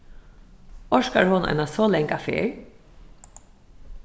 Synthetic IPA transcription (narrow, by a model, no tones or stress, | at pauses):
ɔʃkaɹhoːna̰jnasɔːlɛŋkafḛːɹ